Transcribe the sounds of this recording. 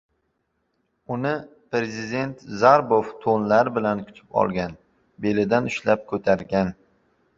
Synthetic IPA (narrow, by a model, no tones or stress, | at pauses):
ʊnɪ | pɾe̞zɪd̪e̞nt̪zaɾboft̪ʰonlaɾɪbɪlankʰʊ̥t̪ʰɪ̥pɒ̰lˠɡʲan | be̞lɪd̪anʊʃlap̚kʰɵt̪ʰaɾɡʲan